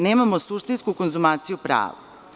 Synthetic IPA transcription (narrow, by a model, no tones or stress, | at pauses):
neːmamosuʃt̪inskukonzumaːt̪sijupɾa̰ːʋa̰